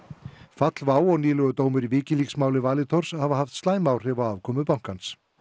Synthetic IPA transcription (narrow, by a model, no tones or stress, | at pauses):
fat̪lvaːwɔɣniːlœɣʏt̪oːwmʏɾivɪːcɪliksmaːwlɪvaːlɪt̪ʰɔɾ̥shavaɦaft̪st̪aːjmaːwr̥ɛvawaːvkʰɔmʏpawŋ̥kans